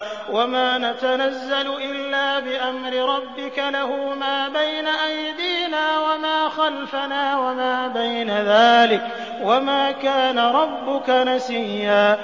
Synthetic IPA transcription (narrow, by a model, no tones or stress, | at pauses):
wamaːnat̪anazːalʊʔɪlːaːbɪʔamɾɪɾˤɑbːɪkalahʊːmaːbajnaʔajd̪iːnaːwamaːxalfanaːwamaːbajnaðaːlɪk | wamaːkaːnaɾˤɑbːʊkanasɪjːaː